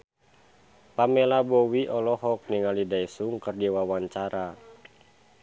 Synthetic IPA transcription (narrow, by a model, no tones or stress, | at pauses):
pamɛlabɔwiʔɔlɔɦɔk̚niŋalidaisuŋkərdiwawaɲt͡ʃaɾa